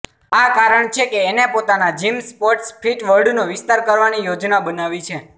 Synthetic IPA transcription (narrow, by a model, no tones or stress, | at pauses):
akaɾəɳt͡ʃʰekeːnepot̪anad͡ʒimspoɾʈspʰiʈʋəɾɖnoʋɪst̪aɾkəɾʋanijod͡ʒnabənaʋit͡ʃʰe